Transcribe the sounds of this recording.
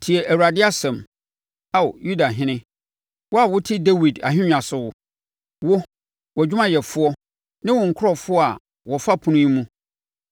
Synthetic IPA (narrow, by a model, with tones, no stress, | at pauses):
tʰi˨ɛ˨ʔæ˨wu˨a˨dɪ˦a˦sɛ̃˨m | a˨wju˦da˨ɦɪ̃˦nɪ̃˦ | wɔ˦a˨wʊ˦tʰɪ˦de˦wi˨da̰˨ɦᶣɪ̃˦ɲᶣã˨sʊ˨wʊ˦ | wʊ˦ | wɔ˨d͡ʑᶣu˦mã˦jɛ˨fʊ˦ɔ˦ | nã˦wɔ̃˨ŋ̩˨kʰʊ˦ɔ˨fʊ˦ɔ˦a˨ | wɔ˨fa˦pʰũ˦nʊ̃˦ɲĩ˦mũ˦